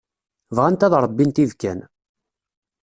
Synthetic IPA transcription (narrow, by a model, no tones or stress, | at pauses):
vʁænt̪æðɾˤəbːint̪iðkæn